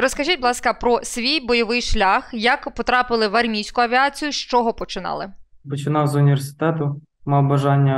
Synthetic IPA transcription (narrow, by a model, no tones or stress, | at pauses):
rɔskɐʒʲitʲblˠɑskɐpɾɔsʲʋʲijbɔjɔʋɪjʃlʲaxjɐkpɔt̪ɾɑpɪlˠɪʋɐrmʲijsʲkʊɐʋʲiat͡sʲijʊʃt͡ʃɔɦɔpɔt͡ʃɪnɑ̰lˠɪpɔt͡ʃɪnɑwzʊnʲiʋʲersɪ̥t̪ɛt̪ʊ | mɐbɐʒɑnʲːɐ